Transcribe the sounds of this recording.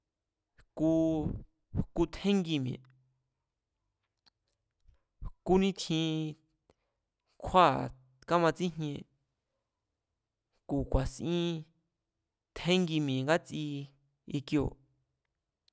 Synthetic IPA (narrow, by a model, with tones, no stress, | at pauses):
ku˧ | ku˧t̪ʰhẽ˦ŋɡi˧mjḛ̃˨ | ku˧˦nĩ˦t̪ʰĩ˧ | kʰa˦˨ | ka˦mã˧t͡sĩ˦ɲ̥ɲẽ˧ | ku˨kʷa˨sʔĩ˦ | t̪ʰhẽ˦ŋɡi˧mjẽ˨ŋɡa˦t͡si˧ | i˧kjo̰˧˨